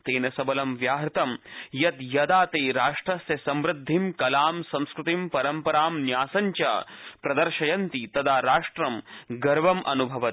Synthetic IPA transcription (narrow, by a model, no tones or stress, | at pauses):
t̪eːnɐsɐbɐlɐmʋjaːɦɾt̪ɐmjɐt̪jɐd̪aːt̪eːɾaːʂʈɾɐsjɐsɐmʋɾɪd̪ʱːimkɐlaːmsɐ̃w̃skɾut̪impɐɾɐmpɐɾaːmnjaːsɐɲt͡ʃɐ̰ːpɾɐd̪ɐɾʃɐjɐnt̪it̪ɐd̪aːɾaːʂʈɾɐmɡɐɾʋɐmʔɐnubʱɐʋɐt̪̚